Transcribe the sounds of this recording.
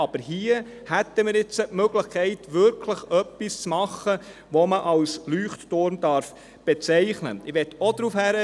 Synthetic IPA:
ɑb̥əɾɦiə | hæt̪ːəmɪːɾɪt͡sətmøɡləχkʰɛɪt̪ʋʏɾkʰləχœpːist͡smɑχːə | ʋɔməʔɑlslyːχttʊɾmd̥ɑɾf | b̥ɛt͡sɛɪχnə̰ɪʋɛtod̥ɾuːfhæɾə

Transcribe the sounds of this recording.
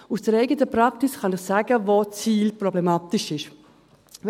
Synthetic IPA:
usd̥əɾɛɪɡətəpɾɑksisχɑnɪχsaːɡəvot͡siːlprɔblɛmaːt̪ɪʃɪʃ

